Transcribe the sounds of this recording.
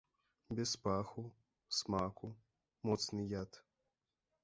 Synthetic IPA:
bʲɛspaxu | smaku | mɔt̪snɨjat̪

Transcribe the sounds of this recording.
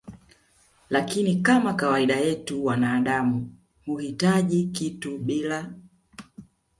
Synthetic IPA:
lakinikamakawaiɗajɛtuwanaːɗamu | huhitaʄikituɓila

